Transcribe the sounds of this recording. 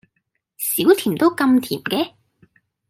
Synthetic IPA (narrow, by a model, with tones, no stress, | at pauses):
siː˨˥wt̪ʰiː˨˩mt̪o˥wkɐ˧mt̪ʰiː˨˩mkɛː˦˧